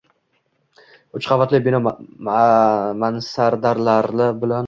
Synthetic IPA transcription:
ʊt͡ʃqɑvat̪lɪbinɒ | mansaɾd̪aɾlaɾlɪbɪlan

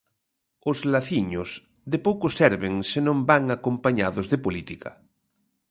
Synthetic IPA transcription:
ozlaθiɲos | ðepowkosɛɾβeŋsenõmbaŋakõmpaɲaðozðepolit̪ika̰

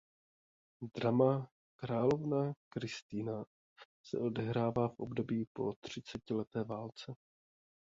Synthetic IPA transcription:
d̪ɾama | kɾaːlo̞vnakɾɪst̪iːna | sɛ̰ʔo̞dɛɦɾaːvaːfʔobdo̞biːpo̞̰t̪r̝̥ɪt͡sɛcɪlɛt̪ɛːvaːlt͡sɛ

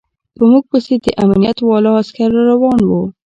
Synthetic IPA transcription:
pəmuɡ̚posed̪əʔamanijat̪wɑlɑaskaɾaɾawɑnwo

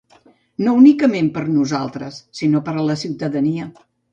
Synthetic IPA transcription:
nounikəmempəɾnuzalˠt̪ɾəsːinopəɾləsiwt̪əðəniə

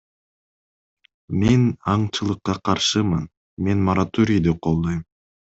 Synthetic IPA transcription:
menɑɴt͡ʃɯlˠɯqːɑqʰɑɾʃɯmɯn | me̞nmɐɾat̪oɾʲɪjd̪iqʰolˠd̪ojm

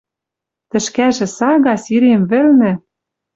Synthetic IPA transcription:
t̪ɘ̆ʃkæʒɘ̆sɑɣɑsiɾemβɘ̆lnɘ̆

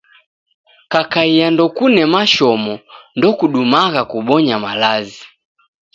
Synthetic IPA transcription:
kakaijandɔkunɛmaʃɔmɔndɔkuɗumaɣakuɓɔɲamalazi

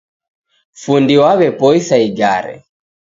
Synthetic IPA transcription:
fundiwaβɛpɔisaiɡaɾɛ̰

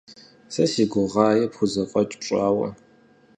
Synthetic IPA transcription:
sɐsiːɡʷʊʁɑːjɛpxʷʊzɐqʷʼɔt͡ʃʼʈ͡ʂʷʼaːwɐ̰

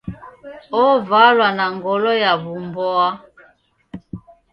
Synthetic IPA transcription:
ɔvalwanaŋɡɔlɔjaβumbɔa

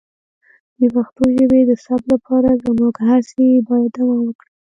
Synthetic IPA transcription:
d̪əpaxt̪uʒəbed̪əsablapʰɑɾazəmuɡhasebɑjad̪amawəkɽi

